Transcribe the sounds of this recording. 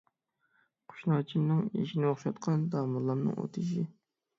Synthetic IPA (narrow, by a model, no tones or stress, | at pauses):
qʰo̥ʃnɑt͡ʃʰimnɨŋḭʃinɪoχʃɑt̪qʰɑnd̪ɑmulˠːɑmnɨ̰ŋʔo̰t̪ʰɨʃi